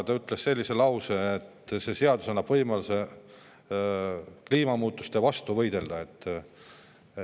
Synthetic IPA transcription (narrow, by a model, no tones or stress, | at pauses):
t̪ɑyt̪ːˑlesse̞lʲːise̞lɑwse̞ːt̪ːse̞se̞ɑd̪usɑnːɑb̥vɤjmɑluse̞ | kliːmɑmuːt̪ːˑust̪evɑst̪uvɤjd̪e̞ld̪̥ɑe̞t̪ː